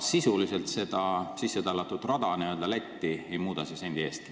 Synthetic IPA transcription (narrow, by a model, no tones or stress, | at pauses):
sisulise̞lt̪se̞d̪̥ɑsisːe̞t̪ɑlɑt̪ːˑut̪rɑd̪̥ɑniø̞ld̪ɑlæt̪ʲːie̞jmuːd̪̥ɑsisenʲd̪iest̪i